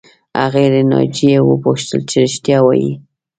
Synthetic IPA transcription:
a̰ɣeɾenɑ̰d͡ʒijewə̰poʃt̪əlt͡ʃeɾɪʃt̪jɑwɑjḭ

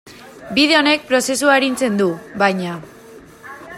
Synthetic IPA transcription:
biðe̞one̞k̚pɾo̞se̞s̬uaeɾint͡se̞nd̪uβajɲa

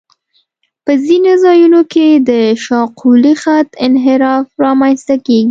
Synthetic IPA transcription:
pəzinozɑjunoked̪əʃɑqʰulixat̪ɪnɦɪɾɑfɾɑmanst̪akeɡi

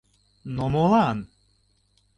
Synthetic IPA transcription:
nomolˠɑn

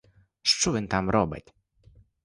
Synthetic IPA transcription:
ʂt͡ʂuvɘnt̪amɾɔbɛ̰t̪ʲ

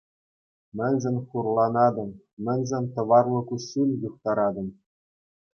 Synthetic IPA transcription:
mʲɘ̆nʲzʲɘnʲχurlˠɑnɑd̪ɤ̆m | mʲɘ̆nʲzʲenʲt̪ɤ̆ʋɑrlˠɤ̆kusulʲjuχt̪ɑɾɑd̪ɤ̆m

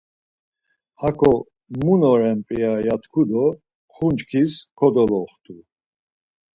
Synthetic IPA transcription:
hakʰɔ | munɔɾɛnpʼiajat̪ʰkʰud̪ɔ | χunt͡ʃkʰiskʰɔd̪ɔlɔχt̪ʰu

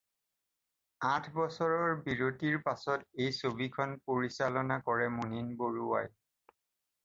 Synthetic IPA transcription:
atʰbɔsɔɹɔɹbiɹotiɹpasɔtejsobikʰɔnpoɹisalɔnakɔɹɛmuninboɹuwa̰j

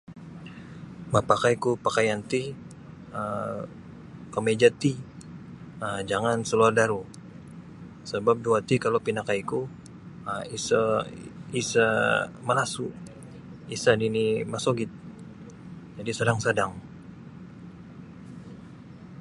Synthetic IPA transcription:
mapakaikupakajant̪i | ə | kəmed͡ʒat̪i | əd͡ʒaŋansəluardaɾu | səbap̚duat̪ikalopinakajku | əisa | isaməlasu | isadinimasoɡɪt̪̚ | d͡ʒadisadaŋsadaŋ

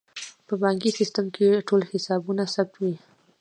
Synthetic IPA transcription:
pəbɑŋkisɪstəmkʰeʈolhɪsɑbunasab̚t̪wi

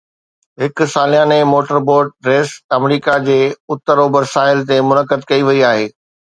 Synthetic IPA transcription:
ɦɪkʊsaːlijãːnemoːʈəɾboːɾʈ̚ɾeːsɐmɾiːkad͡ʑeːʊt̪ːəɾobɐɾsaːɪlt̪emʊnəkəd̪kɐiʋɐiaːɦeː

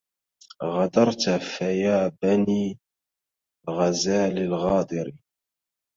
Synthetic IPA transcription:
ɣɑd̪ɑɾˤt̪fajaːbaniː | ɣazaːlɪlɣɑːd̪ˤɨɾi

